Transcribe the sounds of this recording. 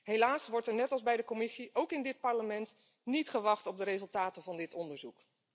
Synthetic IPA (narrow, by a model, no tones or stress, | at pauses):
ɦejlaːsʋɔɹtɛɹnɛtɑlˠzbɛjdəkɔmɪsiʔowkɪndɪt̚pɑɹləmɛnt | nitχəʋɑχtɔb̚dəɾezɵlˠtaːtənvɑndɪtɔndəɹzuk